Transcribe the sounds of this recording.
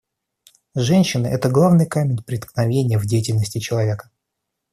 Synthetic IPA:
ʐɛnʲɕːɪnɨʔɛt̪əɡlˠavnɨjkamʲɪnʲpɾʲɪt̪knɐvʲenʲɪjəvdʲejɪtʲɪlʲnəsʲtʲɪt͡ɕɪlˠɐvʲekə̥

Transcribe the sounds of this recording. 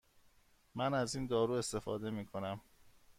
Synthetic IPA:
mænæziːnd̪ɒːɾuːe̞st̪e̞fɒ̰ːd̪e̞miːkʰo̞næm

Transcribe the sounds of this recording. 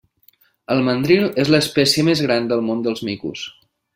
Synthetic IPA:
əlˠmənd̪ɾilezləːspɛsiəmezɣɾand̪əlˠmond̪əlˠzmikṵs

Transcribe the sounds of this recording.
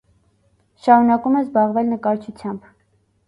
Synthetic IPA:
ʃɑɾunɑkumɛzbɑʁvɛlnəkɑɾt͡ʃʰut͡sʰjɑmb

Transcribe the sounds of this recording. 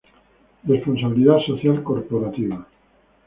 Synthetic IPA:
responsaβiliðasoθjalkoɾpoɾat̪iβa

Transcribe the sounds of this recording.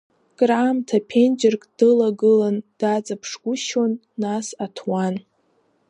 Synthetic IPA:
kʼramtʰapʰend͡ʒɪrkʼd̥ɨlaɡɨland̥at͡sʼapʰʂɡ̥ʷʊʃonːasatʰwan

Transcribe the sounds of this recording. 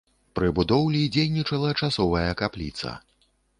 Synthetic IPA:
pɾɨbud̪ɔwlʲid͡zʲejnʲit͡ʂɐlˠɐt͡ʂasɔvɐjɐkaplʲḭt̪sɐ̰

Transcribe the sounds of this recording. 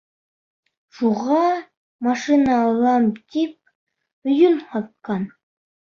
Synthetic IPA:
ʃuʁɑ | mɑʂɨnɑːlˠɑmt̪ip̚ | ɵ̆jɵnhɑt̪̚qɑn

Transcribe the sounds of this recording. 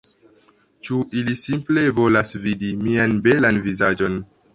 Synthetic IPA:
t͡ʃuʔilisimple̞vo̞lasvidimianbe̞lanvizad͡ʒo̞n

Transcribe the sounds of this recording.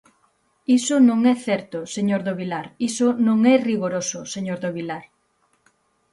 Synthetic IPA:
isʊnõŋɛθɛɾt̪ʊseɲoɾðoβilaɾisʊnõŋɛriɣoɾosʊseɲoɾðoβilaɾ

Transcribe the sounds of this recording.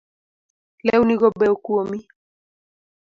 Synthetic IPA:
lɛuniɣɔbɛɔkuɔmi

